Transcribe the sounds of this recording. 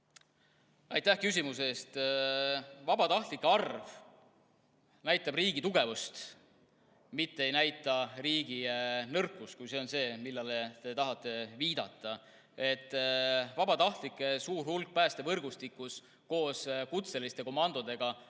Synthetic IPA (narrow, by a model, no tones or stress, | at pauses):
ɑjt̪ːˑæhkys̬ʲimuse̞ːst̪ | vɑbɑt̪ɑht̪likːeɑrv | næjt̪ːˑɑbriːɡit̪uɡ̥e̞vust̪ | mit̪ːe̞e̞jnæjt̪ːˑɑriːɡ̥inɤrkːˑust̪kujse̞o̞nse̞ːmilːɑlet̪e̞t̪ɑɦɑt̪ˑːe̞viːd̪̥ɑ̰t̪ˑːɑ | e̞t̪ːˑvɑbɑt̪ɑht̪likːˑe̞suːrhulk̚pæːst̪e̞vɤrɡ̥ust̪ikːˑus | ko̞ːskut̪se̞list̪e̞ko̞mɑnd̪̥o̞d̪̥e̞ɡ̥ɑ